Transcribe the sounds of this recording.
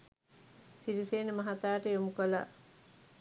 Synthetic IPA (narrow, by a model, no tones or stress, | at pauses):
siliseːnəmɐɦat̪aːʈəjomukola̰